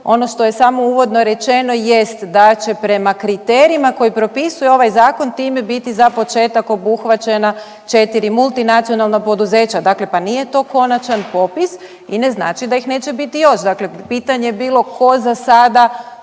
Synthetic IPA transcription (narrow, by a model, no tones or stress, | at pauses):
o̞no̞ʃt̪oje̞samo̞uːʋo̞d̪no̞ɾe̞t͡ʃe̞no̞jest̪d̪at͡ʃe̞pɾe̞makɾit̪eːɾiimako̞jipɾo̞pisujeo̞ʋajzaːko̞nt̪iːme̞bit̪izapo̞t͡ʃe̞ːt̪ako̞buxʋat͡ʃena | t͡ʃe̞t̪iɾimulˠt̪inat̪sijo̞nalˠnapo̞d̪uze̞ːt͡ʃad̪akle̞panije̞t̪o̞ko̞nat͡ʃanpo̞pis | ine̞zna̰ːt͡ʃid̪ajixne̞ːt͡ʃe̞bit̪ijo̞ʃd̪akle̞piːt̪aɲejebiːlˠo̞kʰo̞zasad̪a